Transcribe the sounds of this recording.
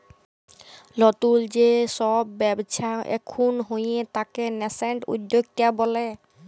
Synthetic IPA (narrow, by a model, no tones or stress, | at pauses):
lɔt̪uld͡ʑesɔbːɛbt͡ɕʰaʔɛ̰kʰunɦojet̪akenɛseɳʈṵd̪ːoɡ̚t̪iabɔle